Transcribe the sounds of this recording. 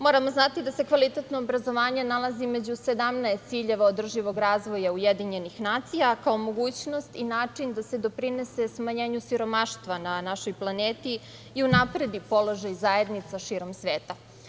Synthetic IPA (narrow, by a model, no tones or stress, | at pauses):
mo̞ːɾamo̞znat̪id̪ase̞kʋalˠit̪et̪noːbɾazo̞ʋaːɲe̞nalˠaziimed͡ʑuse̞d̪amnaest̪siʎeʋaod̪r̩ʒiʋo̞ɡɾaːzʋo̞jaujed̪iɲe̞nixnaːt̪sijakao̞mo̞ɡuːt͡ɕno̞st̪inaːt͡ʂind̪ase̞d̪o̞pɾine̞se̞smaɲe̞ːɲusiɾo̞maʃt̪ʋananaʃo̞jplˠaneːt̪iː | unapɾe̞d̪ipo̞lˠo̞ʒajzae̞d̪nit̪saʃiːɾo̞msʋeːt̪a